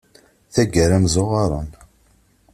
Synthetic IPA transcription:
θæɡəɾæmzoʁɑɾˤɑ̰n

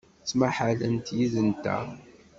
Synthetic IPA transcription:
t͡sːmaħalənt̪jiðənt̪æ̰

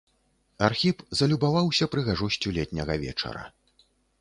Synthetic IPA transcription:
arxʲipzɐlʲubavawsʲɐpɾɨɣaʐusʲt͡sʲulʲɛt̪ʲnʲɐɣɐvʲɛ̰t͡ʂɐ̰ɾɐ̰

